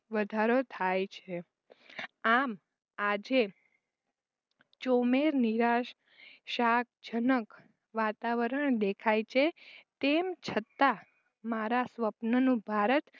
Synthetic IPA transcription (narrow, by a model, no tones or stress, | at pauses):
ʋəd̪ʱaɾot̪ʰajt͡ʃʰe | am | ad͡ʒe | t͡ʃomeɾniɾaʃ | ʃak̚d͡ʒənək | ʋat̪aʋəɾəɳd̪ekʰajt͡ʃʰet̪emt͡ʃʰət̪a | maɾasʋəpnənũbʱaɾət̪